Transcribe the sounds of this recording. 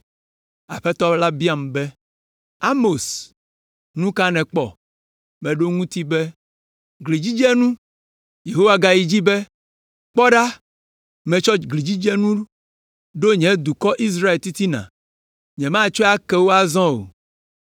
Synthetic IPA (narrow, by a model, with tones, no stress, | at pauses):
a̰˨ɸɛ˦t̪ɔ˦la˦bi˦a˨m˨bɛ˦ | a˦mo˨s | nũ˦ka˦nɛ̃˨k͡pɔ̰˨ | mɛ̃˨ɖo˦ŋũ˦t̪i˦bɛ˦ | ɡli˨d͡ʑi˦d͡ʒɛ˦nũ˦ | je˨ɦo˦wa˨ɡa˨ji˨d͡ʑi˦bɛ˦ | k͡pɔ˦ɖa˦ | mɛ̃˨t͡ʃɔ˦ɡli˨d͡ʑi˦d͡ʒɛ˦nũ˦ | ɖo˦ɲɛ̃˨d̪u˨kɔ˦ʔi˦s̬ɾa˦e˨lt̪i˦t̪i˦nã̰˨ | ɲɛ̃˨mã˦˨t͡ʃɔ˦a˦kɛ˦wo˦a˨zɔ̃˦o̰˨